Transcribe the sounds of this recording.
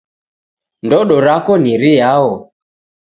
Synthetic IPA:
ndɔɗɔɾakɔniɾijaɔ

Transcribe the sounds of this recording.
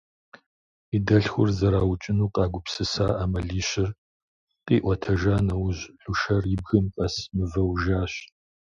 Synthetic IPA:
idɐɬxʷʊrzɐɾaːwt͡ʃʼɪnuːqɑːɡʷʊpsɨsaːʔaːmɐɮiːɕɪr | qʼiːʔʷɔtʰɐʒaːnɐwʑɬuʃɐrjɪb̚ɣɨmpʼɐsmɨvɐwʒaːɕ

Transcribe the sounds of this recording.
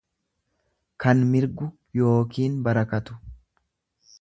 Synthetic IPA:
kɐnmɪɾɡʊ | jo̞ːkiːnbɐɾɐkɐt̪ʊ̥

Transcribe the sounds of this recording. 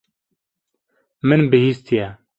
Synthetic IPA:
mɨnbɨhiːst̪ijɛ

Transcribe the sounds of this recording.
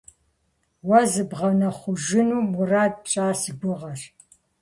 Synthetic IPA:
wɐzɨbʁɐnɐχʷʊʒɪnuːmuraːd̚pɕʼaːsɨɡʷʊʁɐr

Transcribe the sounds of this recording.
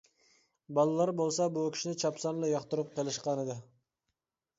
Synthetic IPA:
bɑlˠɨlˠɑɾbolˠsɑbukʲi̥ʃinɪt͡ʃʰɑpsɑnlˠɨjɑχt̪uɾup̚qʰelˠɨʃqɑnɨd̪ɨ

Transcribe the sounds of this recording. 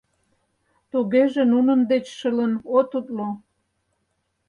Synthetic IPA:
t̪uɣeʒenunə̆md̪et͡ɕʃələnot̪ut̪lo

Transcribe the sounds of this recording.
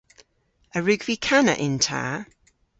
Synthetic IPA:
əɹʉɡv̥ikʰanə̰ʔɪ̃ntʰa̰ː

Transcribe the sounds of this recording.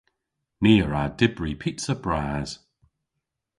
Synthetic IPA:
niːɹadɪbɹipʰitsəb̥ɹaːz̥

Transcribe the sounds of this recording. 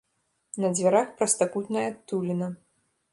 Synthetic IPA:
nɐd͡zʲvʲaɾaxpɾɐst̪akut̪nɐjɐt̪ulʲinɐ

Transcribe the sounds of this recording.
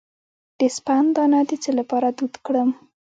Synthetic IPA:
d̪̥espand̪ɑnɑd̪it͡selapɑɾad̪ud̪kɽəm

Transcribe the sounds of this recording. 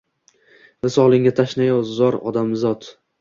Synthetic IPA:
vasɒlˠɪŋʲat̪ʰaʃnajɒwzɒɾɒ̰d̪amzɒt̪

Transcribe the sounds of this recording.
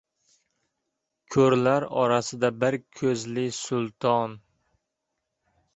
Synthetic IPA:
kʲʰɵɾlaɾɒɾasɪd̪abɪɾkʲʰɵzlɪsʊlˠt̪ʰɒn

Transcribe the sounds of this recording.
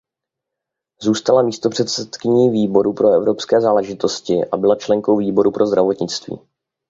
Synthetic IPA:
zuːst̪alamiːst̪opr̥ɛt̪sɛt̪kɪɲiːviːbo̞ɾupɾo̞ɛvɾo̞pskɛːzaːlɛʒɪt̪o̞scɪʔa̰bɪlat͡ʃlɛŋko̞wviːbo̞ɾupɾʔo̞zd̪ɾavo̞t̪ɲɪt͡st̪vḭː

